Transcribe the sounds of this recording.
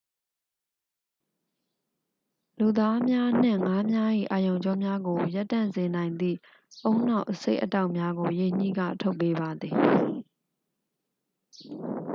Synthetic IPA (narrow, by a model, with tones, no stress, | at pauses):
lu˨d̪a˦mja˦n̥ɪ̰̃˦˨ŋa˦mja˦ʔḭ˦˨ʔa˨jõ˨ʊ̃ɲd͡ʑɔ˦mja˦ɡo˨ja˦tːã˦˨nzɪ̃˨nã˨ɪ̃nd̪ḭ˦˨ | ʔõ˦ʊ̃n̥a˦ʊʔəsḛ˦ɪʔəta˦ʊʔmja˦ɡo˨je˨ɲ̥ḭ˦˨ɡä̰˦˨tʰo˦ʊpːe˦ba˨d̪ði˨